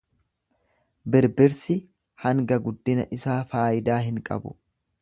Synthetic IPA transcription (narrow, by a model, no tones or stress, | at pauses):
bɪɾbɪɾsɪ | hɐŋɡɐɡʊd̪ːɪnɐ̰ʔɪsaːfaːʔɪd̪aːɦɪŋkʼɐ̰bʊ̥̰